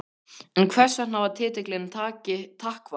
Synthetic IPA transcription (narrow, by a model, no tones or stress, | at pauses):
ɛnkʰvɛr̥sanawvaɾt̪ʰɪːt̪ɪklɪnt̪ʰaːcɪt̪ʰahkva